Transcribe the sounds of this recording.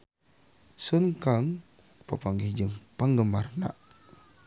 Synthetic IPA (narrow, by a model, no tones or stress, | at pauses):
sunkaŋ | pəpaŋɡihd͡ʒəŋpaŋɡəmarna̰ʔ